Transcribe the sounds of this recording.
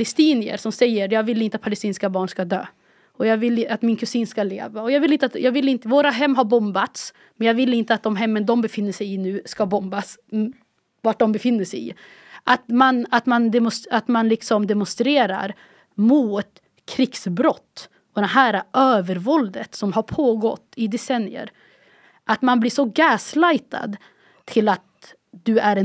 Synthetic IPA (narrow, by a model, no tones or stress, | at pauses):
lɛst̪iːnɪə̰ɾsɔmsɛjːəɾjɑːɡvɪlːɪnt̪əat̪pʰalɛst̪iːnskabɑːɳʂkad̪ø̰ː | ɔjɑːɡvɪlːat̪mɪnkʰɵsiːnskalḛːvaɔjɑːɡvɪlɪnt̪at̪jɑːɡvɪlːɪnt̪əvoːɾaɦɛmːɦaɾbɔmbat̪s | mɛnjɑːɡvɪlːɪnt̪əat̪̚d̪ɔmɦɛmːənd̪ɔmbɛfɪnːəʂɛjɪnʉ̟ːskabɔmbas | vaʈ̚ɖ̪ɔmbɛfɪnːəʂɛjɪ̰ | ʔat̪manat̪mand̪ɛmʊsat̪manlɪksɔmd̪ɛmʊnst̪ɾeːɾa̰ɾ | muːt̪ | kʰɾɪksbɾɔt̪ː | ɔd̪ɛɦæːɾaʔøːvəɾvɔld̪ət̪sɔmɦaɾpʰoːɡɔt̪ːɪd̪ɛsɛnːɪjə̰ɾ | ʔat̪manbliːʂɔɡɛːslajt̪ʰa̰d̪ | t̪ʰɪlat̪̚ | d̪ɵæɾɛ